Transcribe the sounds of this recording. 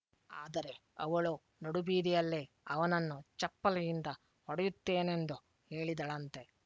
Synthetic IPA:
aːd̪ɐɾe̞ɐ̰ʋɐɭu | noɽubiːd̪ijɐlːe | ɐʋɐnɐnːut͡ʃɐpːɐlɐjind̪ɐ | hɔɽɐjut̪ːe̞ːnend̪u | he̞ːɭid̪ɐɭɐnt̪e̞

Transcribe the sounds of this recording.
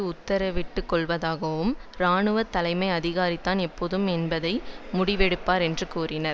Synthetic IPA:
ɯʊt̪ːɐɾɐʋɪʈːɯkːɔɭʋɐðaːɣɐʋɯmɾaːɳɯʋɐt̪ːɐlɐɪmɐɪɐðɪɣaːɾɪt̪ːaːnɛpːoːðɯmɛnbɐðɐɪmʊɽɪʋɛɽɯpːaːɾɛndrɯkuːrɪnɐɾ

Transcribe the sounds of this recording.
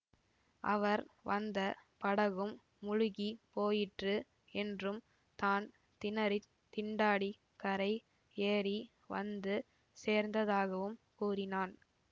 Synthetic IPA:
ʔɐ̰ʋɐɾʋɐnd̪ɐpɐɽɐɣɯmː | ʊɻʊɣipoːjɪʈrɯ | ɛndrɯm | t̪aːn | t̪ɪnɐɾɪ | t̪ɪɳɖaːɽi | kɐɾɐɪ | eːɾi | ʋɐ̰nd̪ɯ | seːɾnd̪ɐðaːɣɐʋɯmkuːrɪnaːn

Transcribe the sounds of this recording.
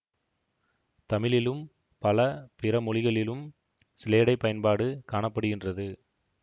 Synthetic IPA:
t̪ɐmɪlɪlɯm | pɐlɐpɪrɐmɔɭɪɣɐɭɪlɯm | sɪleːɽɐɪpːɐjɐnpaːɽɯkaːɳɐpːɐɽɯɣɪndrɐðɯ

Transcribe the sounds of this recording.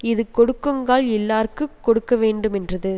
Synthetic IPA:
ɪðɯkɔɽɯkːɯŋɡaːlɛlːaːrkɯkːɔɽɯkːɐʋeːɳɖɯmɛndrɐðɯ

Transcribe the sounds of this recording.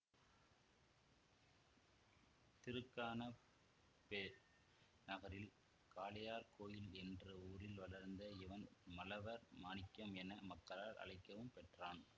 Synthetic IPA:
t̪ɪɾɯkːaːnɐ | peɾ | nɐɣɐɾɪl | kaːlɐjaːɾkoːjɪlɛndrɯuːɾɪlʋɐlɐɾnd̪ɐɪʋɐnmɐlɐʋɐɾmaːnɪkːɐmɛnɐmɐkːɐlaːɾɐ̰ɻɪkːɐʋɯmpɛʈraːn

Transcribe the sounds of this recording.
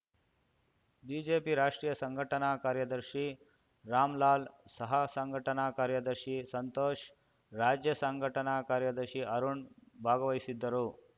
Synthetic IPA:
biːd͡ʒeːpiɾaːʂʈɾiːjɐsɐŋɡʱɐʈɐnaːkaːɾjɐd̪ɐɾʃi | ɾaːmlaːlsɐɦɐsɐŋɡʱɐʈɐnaːkaːɾjɐd̪ɐɾʃisɐnt̪oːʃ | ɾaːd͡ʒjɐsɐŋɡʱɐʈɐnaːkaːɾjɐd̪ɐɾʃiʔɐɾuɳbʱaːɡɐʋɐjsid̪ːɐɾuː

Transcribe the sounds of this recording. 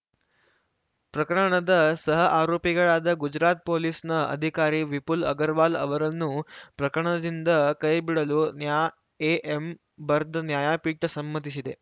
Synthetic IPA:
pɾəkɾəɳ̃əd̪əsəɦəʔaɾopiɡəɭad̪əɡud͡ʑɾat̪̚polisnəə̰d̪ʱikaɾiːʋipulə̰ɡəɾʋalə̰ʋəɾənuːpɾɐkɾəɳ̃əd͡ʒind̪əkəjbiɽəlonja | eʔem | bəɾd̪ʱənjajapiːʈəsəmːət̪iɕid̪e

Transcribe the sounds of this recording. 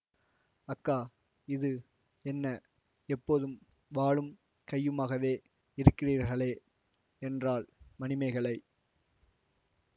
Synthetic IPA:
ɐkːaː | ɪðɯ | ɛnːɐ | ɛpːoːðɯm | ʋaːɭɯm | kɐjːɯmaːɣɐʋeː | ɪɾɯkːɪriːɾɣɐɭeː | ɛndraːɭmɐnɪmɐɪɣɐɭɐɪ

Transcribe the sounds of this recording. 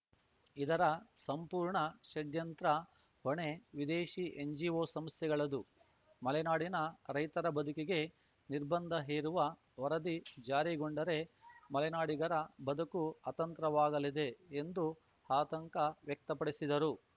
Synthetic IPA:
id̪ɐɾɐsɐmpuːɾɳɐʃɐɖjɐnt̪ɾɐ | hoɳe̞ʋid̪eːʃiʔeɲd͡ʒioːsɐmst̪jɛɡɐɭɐd̪u | mɐlɛnaːɽinɐɾɐjt̪ɐɾɐbɐd̪ʱukiɡe̞ | niɾbɐnd̪ʱɐɦeːɾuʋɐ | ʋɐɾɐd̪id͡ʒaːɾiɡoɳɖɐɾe̞mɐlɛnaːɽiɡɐɾɐbɐd̪ʱukuɐt̪ɐnt̪ɾɐʋaːɡɐlid̪e̞end̪u | haːt̪ɐŋkɐʋjɛk̚t̪ɐpɐɽisid̪ɐɾu

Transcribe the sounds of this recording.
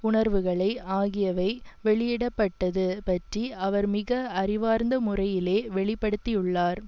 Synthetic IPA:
ʊɳɐɾʋɯɣɐɭɐɪaːɣɪjɐʋɐɪʋɛɭɪjɪɽɐpːɐʈːɐðɯpɐʈriɐʋɐɾmɪɣɐɐɾɪʋaːɾnd̪ɐmʊrɐjɪleːʋɛɭɪpːɐɽɯt̪ːɪjɯɭːaːɾ

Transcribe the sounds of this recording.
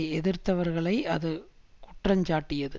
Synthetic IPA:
ɛðɪɾt̪ɐʋɐɾɣɐɭɐɪɐðɯkʊʈrɐɲd͡ʒaːʈːɪjɐðɯ

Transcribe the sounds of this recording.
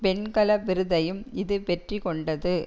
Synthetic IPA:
pɛɳkɐlɐʋɪɾɯðɐjɯmɪðɯʋɛʈrikɔɳɖɐðɯ

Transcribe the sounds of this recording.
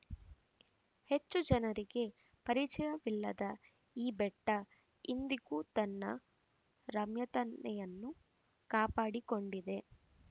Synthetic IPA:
he̞t͡ʃːud͡ʒɐnɐɾiɡe̞ | pɐɾit͡ʃɛjɐʋilːɐd̪ɐ | iːbɛʈːɐ | ind̪iɡuːt̪ɐnːɐ̰ | ɾɐmjɐt̪ɐnːɛjɐnːu | kaːpaːɽiko̞ɳɖid̪e̞

